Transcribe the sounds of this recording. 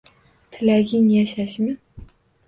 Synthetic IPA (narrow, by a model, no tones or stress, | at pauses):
t̪ʰɪlaɡʲɪŋjaʃaʃmɪ